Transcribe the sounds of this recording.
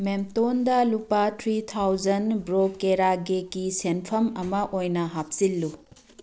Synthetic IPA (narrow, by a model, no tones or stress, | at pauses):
memtondɐlupatʰɾit̪ʰawd͡ʒɐnbɾokeɾaɡekisenpʰɐmɐmɐʔojnɐɦap̚silːu